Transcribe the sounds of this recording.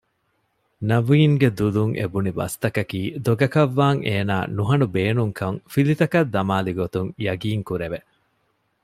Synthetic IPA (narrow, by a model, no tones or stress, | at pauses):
nɐʋiːŋɡed̪uluŋʔḛbunibɐ̰st̪ɐkɐkiːd̪oɡɐkɐʋːaːŋʔeːna̰ːnuɦɐnubeːnuŋkʰɐŋfilit̪ɐkɐd̪ːɐmaːliɡot̪uŋjɐɡiːŋkuɾeʋe